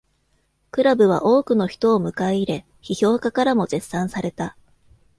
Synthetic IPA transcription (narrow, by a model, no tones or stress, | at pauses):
kɯ̟ɾabɯ̟β̞a̰ʔo̞ːkɯ̟no̞çi̥t̪o̞ːmɯ̟kaiɾe̞ | çiço̞ːkakaɾamo̞ze̞sːãɰ̃saɾe̞t̪a